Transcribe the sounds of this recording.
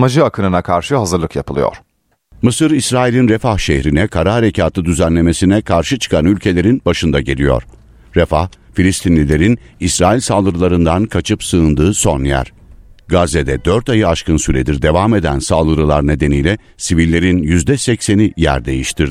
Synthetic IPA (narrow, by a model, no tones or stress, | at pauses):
mad͡ʒɯakʰɯnɯnakʰaɾʃɯɦazɯɾlˠɯkjapʰɯlˠɯjo̰ɾ̥ | mɯsɯɾisɾaːilʲinɾefahʃehɾinɛkʰaɾaaɾecʰaːt̪ʰɯd̪yzænlʲe̞me̞sinɛkʰaɾʃɯt͡ʃʰɯ̥kʰanylʲcʰe̞lʲe̞ɾinbaʃɯnd̪aɟelʲijo̞̰ɾ̥ | ɾefa̰hfilʲist̪ʰinlʲilʲe̞ɾinisɾaːilʲsalˠɯɾɯlˠaɾɯnd̪ankʰat͡ʃʰɯpsɯɯnd̪ɯːso̞njæ̰ɾ̥ | ɡazed̪ɛd̪øɾt̪ajɯaʃkɯnsyɾed̪iɾd̪e̞vaːme̞d̪ænsalˠɯɾɯlˠaɾne̞d̪e̞nijlʲɛ | sivilʲːe̞ɾinjyzd̪ɛsɛcse̞nijæ̰ɾd̪e̞jiʃt̪ʰiɾɪ